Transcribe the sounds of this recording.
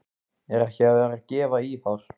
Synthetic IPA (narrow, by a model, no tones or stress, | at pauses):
ɛɾɛhcɛaðɛɾaðcɛːvaiθawɾ̥